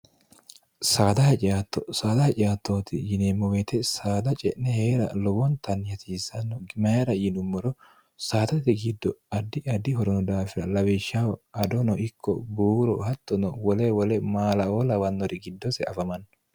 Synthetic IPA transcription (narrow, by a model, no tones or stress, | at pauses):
saːd̪ɐhɐt͡ʃʼɪaːt̪ːɔsaːd̪ɐhɐt͡ʃʼɪjaːt̪ːoːt̪ɪjɪnemːɔwet̪ɛsaːd̪ɐt͡ʃʼɛʔnɛheːɾɐ̰lɔbɔnt̪ɐnjɐt̪iːsɐnːɔɡɪmɐjɾɐjɪnʊmːɔɾɔ | saːt̪ɐt̪ɪɡɪd̪ːɔɐd̪ːɪɐd̪ɪhɔɾɔnɔd̪aːfɪɾɐlɐwɪʃːawɐd̪ɔnɔʔɪkːɔbuːɾɔhɐt̪ːɔnɔwɔlewɔlɛmaːlɐoːlɐwɐnːɔɾɪɡɪd̪ːɔsɛɐfɐmɐnː